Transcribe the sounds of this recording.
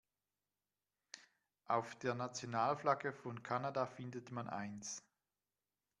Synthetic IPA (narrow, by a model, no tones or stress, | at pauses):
ʔaʊfd̥eːɐnat͡sjonaːlflaɡəfɔnkʰanadafɪndətmanʔa̰ɪns